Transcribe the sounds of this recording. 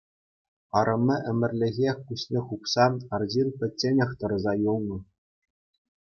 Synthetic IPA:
ɑɾʔɤ̆mʲːɘ̆ʔɘ̆mʲɘ̆rʲlʲɘ̆ɣʲekusʲnʲeχupsɑɑrʑinpʲɘ̆tʲt͡sʲːenʲɘ̆xt̪ɤ̆ɾɤ̆zɑjulˠnɤ̆

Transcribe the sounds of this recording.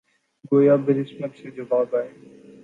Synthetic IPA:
ɡoːjaːbɪɾɪsmət̪seːd͡ʑɐʋaːbaːɦeː

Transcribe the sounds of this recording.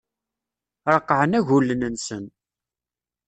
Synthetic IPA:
ɾˤəqːʕənæʝulːənənsən

